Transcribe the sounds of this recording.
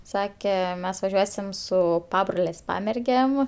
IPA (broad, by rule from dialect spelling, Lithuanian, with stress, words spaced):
ˈsɑːkʲɛ ˈmʲɛs ʋɐˈʒʲuɔsʲɪm ˈsʊ ˈpɑːbroːlʲeːsʲ ˈpɑːmʲɛrʲɡʲeːm